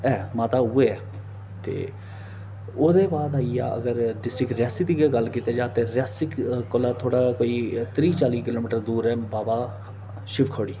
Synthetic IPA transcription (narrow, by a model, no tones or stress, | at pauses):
ɛːmaːt̪aːʊːeːɛː | t̪ḛː | oːd̪eːbaːd̪aːiːa̰ːʔə̰ɡəɾɖɪsʈɪkɾɪjaːsiːd̪iːɡeɡəlkit̪eːd͡ʒaːt̪eːɾɪjaːsɪkkolaːt̪ʰoːɽaːkoːiːt̪ɾiːt͡ʃaːliːkɪloːmɪʈəɾd̪uːɾɛːbaːbaː | ʃɪʋkʰoːɽiː